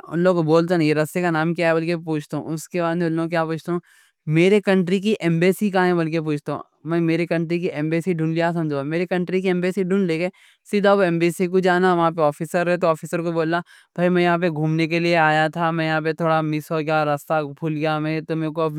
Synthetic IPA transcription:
ʊ̰nloːɡkoboːlt̪enãjeɾɐst̪ekanaːmkjaːɛbɐlkepuːt͡ʃʰt̪aṵ̃ʊskebaːd̪mẽʊnloːɡkjaːpuːt͡ʃʰt̪aɦũ | meːɾekɐ̃ɳʈɾik̬iʔɛːmbeːsikaɦɛ̃bɐlk̬ep̬uːt͡ʃʰt̪aṵ̃ | mɛ̃meːɾekɐ̃ɳʈɾik̬iʔɛːmbeːsiɖʱũːnlijasɐ̃md͡ʒʱmeːɾekɐ̃ɳʈɾikiɛ̃ːmbeːsiɖʱũːnleːɡeː | sɪd̪ʱaʋoɛ̃ːmbiːsik̬od͡ʒaːnaʋɐɦãpeɔːfisəɾɛt̪̬oɔːfiːsəɾkoboːla | b̥ʱaimɛ̃jɐɦãp̬eɡʱuːmnekelieaːjat̪ʰamɛ̃ːjɐɦãːp̬et̪ʰoːɽamɪsoɡjaɾɐst̪abuːlɡɐjamɛ̃t̪omẽko

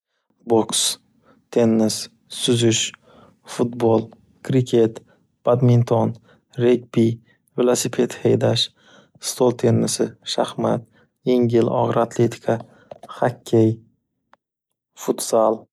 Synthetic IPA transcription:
boks | t̪ʰe̞nːɪsː | ʊzʊʃ | fʊt̪bolˠ | kʰɾɪkʲʰe̞t̪ | b̥ad̪mint̪ʰɔn | ɾek̚bi | velˠosipʰe̞t̪hejd̪aʃ | st̪ʰolˠt̪ʰe̞nːɪsɪʃahmat̪̚ | jeŋɡʲɪlɒ̰ʁɾat̪ʰlet̪ʰi̥kʰa | hakʲʰːej | fʊt̪salˠ

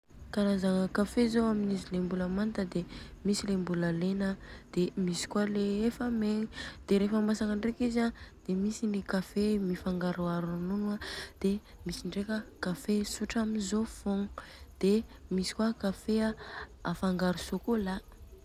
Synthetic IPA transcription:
kaɾazaŋəkafezoaminizilembuləmant̪əd̪emisilembuləlenad̪̥emisi̥kwaleefameŋid̪̥eɾefamasaŋəɳɖ͡ʐekizad̪̥emisinikafemifaŋɡaɾuaɾununuad̪̥e | misiɳɖ͡ʐekʲəkafesuʈ͡ʂaminzofoŋd̪̥emisi̥kwakafeaa̰faŋɡaɾusokola

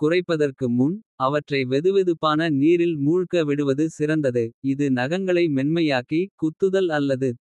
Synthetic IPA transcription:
kʊrɐɪpːɐðɐrkɯmʊnɐʋɐʈrɐɪʋɛðɯʋɛðɯpːaːnɐniːɾɪlmuːɻkɐʋɪɽɯʋɐðɯsɪɾɐnd̪ɐðɯɪðɯnɐɣɐŋɡɐɭɐɪmɛnmɐjaːkikʊt̪ːɯðɐlɐlːɐðɯ

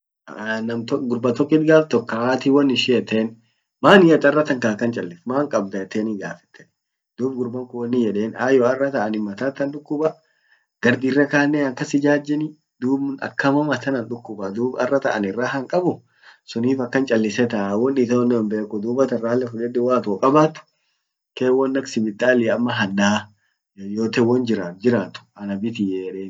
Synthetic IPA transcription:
nɐmt̪ɔɡʊɾbɐt̪ɔkːɪt̪ɡaːft̪ɔkːawaːt̪iwɔnːɪʃɛjɛt̪ʰːeːn | maːnɪjɐt̪ːɐrːɐt̪ɐŋkɐkːɐnt͡ʃʼɐlːɪfmaːŋkʼɐbd̪ɐɛt̪ːeːnɪɡaːfɛ̥t̪ːɛ̥ | d̪uːbɡʊɾbɐŋkʊwɔnːɪjɛᶑeːnaːjɔɐrːɐt̪ɐʔɐnɪmːɐt̪at̪ːɐnɗʊkːʊbɐ | ɡ̥ɐɾd̪irːɐkaːnːeɐŋkːɐsɪd͡ʒaːd͡ʒːɪnɪ | d̪uːbʊnɐ̰kːɐmɐmɐt̪ɐnɐnᶑʊkːʊbad̪uːbɐ̰rːɐt̪ɐʔɐnɪrːaːhɐŋkʼɐbʊ | sʊniːfɐkːɐnt͡ʃʼɐlːɪsɛt̪ɐwɔnːɪt̪ɐwɔnːɪwɔmbeːkːʊd̪uːbɐt̪ɐraːlːɛfʊᶑɛd̪ɛwaːt̪oːkʼɐbaːt̪ʊ̥ | keːwɔnːɐksɪbɪt̪ʼːaːliːɐmːɐɦɐndaː | joːt̪ɛwɐnd͡ʒɪɾaːd͡ʒɪɾaːt̪ʊ̥ɐnɐbɪt̪ijɛɛᶑeːn

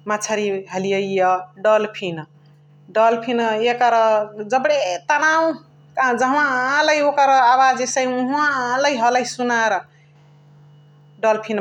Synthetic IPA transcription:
mat͡ʃʰaɾiɦʌlijʌijʌɖʌlpʰin | ɖʌlpʰinjekʌɾʌd͡zʌbɽet̪anaw̃ | kad͡ʒʌɦwãlʌjokʌɾʌawad͡zesəjũɦãlʌjɦʌlʌjsunaɾʌ | ɖʌlpʰin

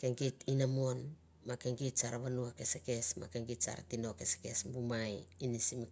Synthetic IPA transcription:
ke̞ŋkitinamon | make̞ŋɡitsaɾaβanuake̞seke̞sma̰keŋɡitsa̰ɾa̰tino̞ke̞se̥ke̞sbumajinisimi

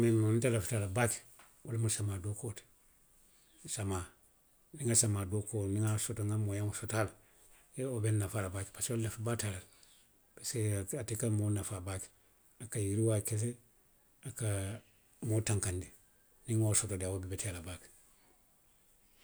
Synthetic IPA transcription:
meantelafutalabak | walmusamaːdokot | samaː | niŋasamaːdokoːniŋasotoŋamojaŋosotal | eobennafalabakpasollefbatalal | baseatikamonafabak | akajiɾiwakes̬e | aka | motaŋkandi | niŋosotodiawobibetelabak

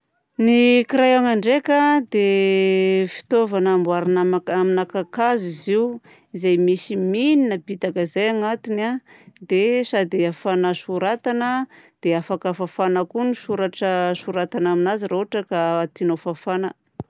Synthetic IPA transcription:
nikiɾajaŋaɳɖ͡ʐekəd̪e | fi̥t̪ovanːmbwaɾinaaaminakakaziziw | izajmisimininəpit̪akəzajaŋat̪inad̪esad̪eafanaʃuɾat̪anəd̪̥eafakafafanakunisuɾaʈ͡ʂəsuɾat̪anaminazirouaʈ͡ʂəkaat̪inofafanə

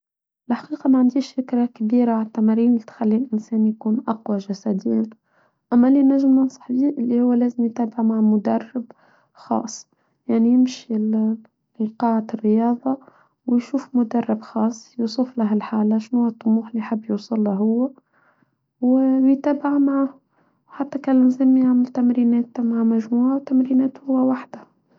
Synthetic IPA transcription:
ʔɪlħḁqiːqɑmaʕand̪iːʃfɪkɾakbiːɾaat̪ːæmaɾiːnlit̪xælːiːlʔɪnsæːnjkuːnʔɑqwaʒæsæd̪ɪjːn | ʔæmːælinæʒmnɑnsˤɑ̥ħbiːʔɪlːihʊwːlæːzɪmjt̪æːbɪʕmaʕmʊd̪ɑrˤːɪb | xɑ̰ːsˤː | jaʕnijɪmʃi | lqɑːʕarːɪjɑːðˤɑ | wjʃuːfmʊd̪ɑrˤːɪbxɑːsˤːjusˤʊflaɦælħaːlaʃnhʊwːæt̪ˤːʊmuːħlijħɪbːjuːsˤʊlːaɦʊwːæ | wwjt̪æːbɪʕmaʕa | ħat̪ːækælzɪmːjaʕmɪlt̪æmɾiːnɛːt̪maʕmæʒmuːʕawt̪æmɾiːnɛːt̪hhʊwːæwaħd̪a

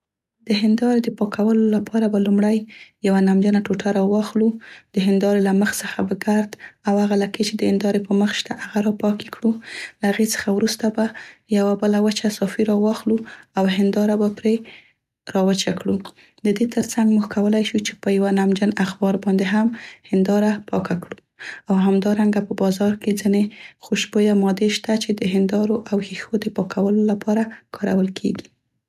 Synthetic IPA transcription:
d̪əɦɪnd̪ɑɾed̪əpɑkʰawəlolapʰɑɾabalumɽajjawanamd͡ʒənaʈoʈaɾɑwɑxlud̪̥əɦɪnd̪ɑɾelaməxt͡səxabəɡaɾd̪awhaɣalaket͡ʃed̪əhɪnd̪ɑɾepəməxʃt̪aʔaɣaɾɑpɑke̥kɽulahaɣet͡sə̥xawɾust̪abajawabəlawət͡ʃasɑfiɾɑwɑxluawɦɪnd̪ɑɾabapɾe | ɾɑwət͡ʃakɽu | d̪əd̪et̪əɾt͡saŋɡmuxkawəlajʃut͡ʃe̥pəjawanamd͡ʒənaxbɑɾbɑnd̪eɦamhɪnd̪ɑɾapɑkakɽu | awɦamd̪ɑɾaŋɡapəbɑzɑɾked͡zinexoʃbojamɑd̪eʃt̪at͡ʃed̪əɦɪnd̪ɑɾoʔawhixod̪əpɑkʰawəlolapʰɑɾakʰɑɾa̰wəlkʰeɡi

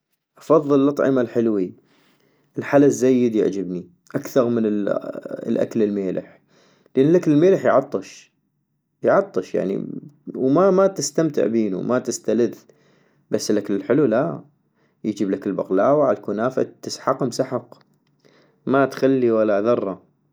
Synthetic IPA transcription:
ʔɑfɑðˤːɨllːʔɑt̪ˤʕɪ̰malħɪlwi | ʔɪlħalazːajːɪd̪jɪ̰ʕd͡ʒɪbni | ʔakθɑɾˤmənɪ | lʔa̰klɪlmeːlʔɪ̰ħ | lʔɪnːlʔaklɪlmeːləħjʕɑt̪ˤːɨʃ | jʕɑt̪ˤːɨʃja̰ʕnḭwmamat̪ɪst̪amt̪ɪ̰ʕbiːnṵmat̪ɪst̪alɪð | basːɪlʔaklɪlħɪlula | jd͡ʒiːblakɪlbaqlaːwaʕalkunaːfa̰t̪ːɪsħɑqɪmsaħɑq | mat̪xalːiwalːaðɑrˤːɑ

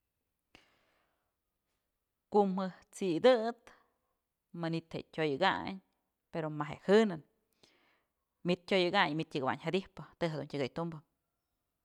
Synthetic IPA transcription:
kumhɨht͡sid̪ɨt̪ | manit̪hḛtʲojɨɡa̰ɲ | peɾomaɦḛʔhɨnɨn | mit̪̚ʲːojɨɡaɲmit̪jɨɡawa̰ɲhad̪ihpɨt̪ɨɦad̪ṵntʲəɡɨjt̪umbɨ

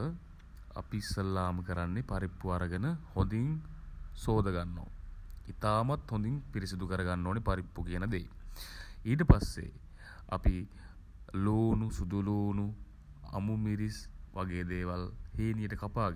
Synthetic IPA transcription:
ə | a̰pisəlːaːməkəɾanːepaɾipːuaɾəɡənəhond̪iŋsoːd̪əɡanːo̰ːit̪aːmat̪hõnd̪iŋpiɾisid̪ukəɾəɡanːoːnepaɾipːukiənəd̪ḛː | iːʈ̬əpasːḛ | a̰pi | loːnusud̪uluːnu | a̰mumiɾisʋʔaɡeːd̪eːʋalheːnijəʈəkapaːɡ

